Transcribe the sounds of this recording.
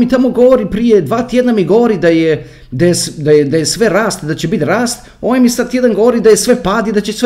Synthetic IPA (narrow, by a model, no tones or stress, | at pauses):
mit̪amo̞ɡo̞ʋoɾipɾijed̪ʋaːt̪ʲjed̪namiɡo̞ʋoɾid̪aje | d̪ajesd̪ajed̪ajesʋe̞ɾaːst̪d̪at͡ɕebit̪ɾaːst̪ | oːʋajmisad̪̚t̪jed̪anɡo̞ʋoɾid̪ajesʋe̞paːd̪id̪at͡ɕesʋe